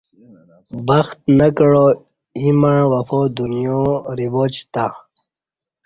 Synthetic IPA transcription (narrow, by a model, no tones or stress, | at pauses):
bɐxt̪̚nakəɻo | imãwɐfoːd̪unijõɾiboːt͡ɕt̪a